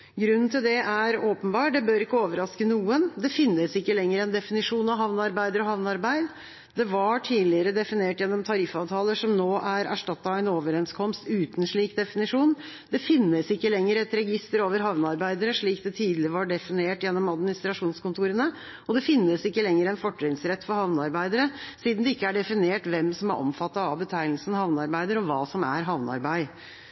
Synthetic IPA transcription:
ɡɾʉnːn̩t̪ɪld̪ɛʔæɾoːpənbɑːʈ̚d̪ɛbøːɾɪkːəoːʋəɾɑskənuːənd̪ɛfɪnːəsɪkːəlɛŋːəɾɛnd̪ɛfɪnɪʂuːnɑʋɦɑʋnɑɾbæɪd̪əɾɔhɑʋnɑɾbæɪd̪ | d̪ɛʋɑʈʰiːlɪəɾəd̪ɛfɪneːʈjɛnːɔmt̪ʰɑɾɪfɑːʋt̪ʰɑːləʂɔmnoːʔæɾæ̰ʂʈɑt̪ːɑæɪnoːʋəɾɛnskʰɔmst̪ʉːt̪n̩ʂɭiːkd̪ɛfɪnɪʂuːn | d̪ɛfɪnːəsɪkːəlɛŋːəɾəɛt̪ɾɛɡɪst̪əɾoːʋəɾɦɑʋnəɑɾbæɪd̪əɾəʂɭiːkd̪ɛt̪ʰiːd̪lɪʋɑɖɛfɪneːʈjɛnːɔmɑd̪mɪnɪst̪ɾɑʂuːnskʊnt̪ʰuːɾənə | ɔd̪ɛfɪnːəsɪkːəlɛŋːəɾəɛnfɔʈːɾɪŋsɾɛt̪ːfɔɾhɑʋnəɑɾbæɪd̪əɾəsiːd̪n̩d̪ɛɪkːəæɖɛfɪneːʈʋɛmsɔmæɾʔɔ̰mfɑt̪ːɑɑʋbət̪ʰæɪl̩sn̩hɑʋnəɑɾbæɪd̪əɾɔʋɑːsɔmæɾɦɑʋnəɑ̰ɾbæɪ

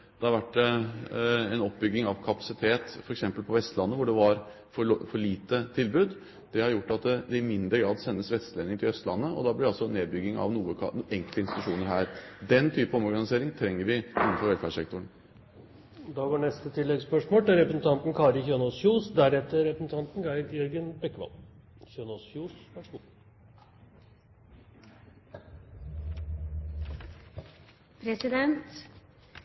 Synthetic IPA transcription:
d̪̥ɛhɑɾʋæʈː | ɛnɔpːbʏɡːɪŋɑʋkʰɑpɑ̥sɪt̪ʰeːt̪fɔɾɛksɛmpəlpʰɔʋɛst̪lɑnːəʋʊɖɛʋɑɾ | fɔfɔɭiːt̪ət̪ʰɪlbʉːd̪ | d̪̥ɛhɑɾjʊʈːɑt̪d̪ɛɪmɪnd̪ɾəɡɾɑːd̪sɛnːəsʋɛt̪st̪leːnɪŋt̪ʰɪlœst̪lɑnːəɔ̰d̪ɑːblɪɑlsɔneːd̪̚bʏɡːɪŋɑ̰ʋnuːəɛŋkəlt̪əɪnsɪt̪ʉʂuːnəɾɦæːɾd̪ɛnt̪ʰyːpəɔmɔɾɡɑnɪseːɾɪŋt̪ʰɾɛŋːəɾʋɪɪnːnfɔɾʋɛlfæːʂɛkt̪ʊəɳ | d̪ɑʋoːɳɛst̪ət̪ʰɪlːɛɡspœʂmoːlt̪ɛɾɛpɾəsn̩t̪ʰɑnt̪n̩kʰɑːɾəçøːnoːsçuːsd̪æɾɛt̪ːəɾɛpɾəsn̩t̪ʰɑnt̪n̩ɡæɪd̪jɛɾɡənbɛkːəʋɑ̰l | çøːnɔːsfuːsʋæʂɡuː | pʰɾɛsɪd̪ɛnt̪

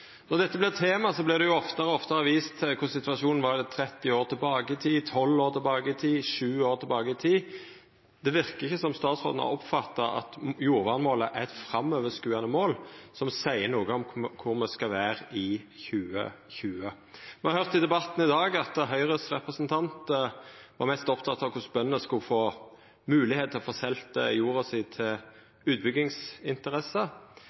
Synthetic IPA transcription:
nɔʁd̪ɛt̪ːəblɪt̪ʰeːmɑsɔblɪd̪ɛjʊɔft̪əʁəɔft̪ɑɾəʋiːst̪ʰɪlkʰʊʁsɪt̪ʋɑʂuːnn̩ʋɑʁd̪ɛt̪ʰɾɛt̪ːɪoːʁt̪ʰɪlbɑːɡəɪt̪ʰiːt̪ʰɔlːoːʁt̪ʰɪlbɑːɡəɪt̪ʰiːʃʉːoːɾt̪ʰɪlbɑːɡəɪt̪ʰiː | d̪̥ɛʋɪʁkəɪçːəsɔmst̪ɑːt̪sʁo̰ːd̪n̩ɑ̰ɔpfɑt̪ːɑɑ̰t̪juːɾʋɑːʁnmoːləʔæɛt̪fɾɑmøːʋəskʉːɑnəmoːlsɔmsæɪənuːɡəɔmkʰʊʁmɛskɑʋæːɾɪçʉːə̰çʉːə | mɛhɑɾhœʁt̪ɪd̪ɛbɑt̪n̩ɪd̪ɑːɡɑt̪əɦœʏʁəsʁɛpʁəsənt̪ʰɑnt̪ | ʋɑɾmɛst̪ɔpt̪ʰɑt̪ʰːɑʋkʰʊsbœnːəskʊlfoː | mʉːlɪheːt̪ʰɪlɔfɔʁsɛlt̪ə̰juːɾɔsɪːt̪ʰɪl | ʉːt̪̚bʏɡːɪŋsɪnt̪əʁɛsːə

